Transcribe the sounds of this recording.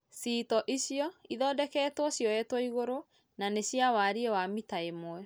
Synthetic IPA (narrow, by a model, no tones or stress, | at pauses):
sitɔʔiɕiɔiðɔːdɛkɛːtwɔɕjɔɛtwɔiɣoɾo | naneɕjawaɾiɛwamitaemoɛ